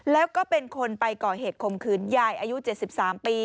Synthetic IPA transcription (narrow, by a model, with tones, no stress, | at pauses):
lɛː˦˥wkɔː˥˩pe˧nkʰo˧npa˧jkɔː˨˩heː˨˩t̪̚kʰo˧mkʰɯː˧˩nja˨˩jʔaː˧ju˦˥t͡ɕe˨˩t̪̚si˨˩p̚saː˩˦mpiː˧